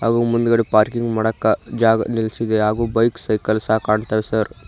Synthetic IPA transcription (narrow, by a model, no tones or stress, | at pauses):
ɦaːɡuːmund̪uɡɐɽipaːɾkiŋɡmɐɽɐkːɐd͡ʒaːɡɐ̰nilsid̪eɦaːɡuːbɐjksɐjkɐlsaɦkaːɳt̪aːʋesɐɾ